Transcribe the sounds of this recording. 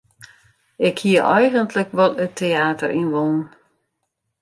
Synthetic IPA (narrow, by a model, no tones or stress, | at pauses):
ɪkhiəʔɛjɣəntləkʋɔtətʰeaːtərʔinʋon̩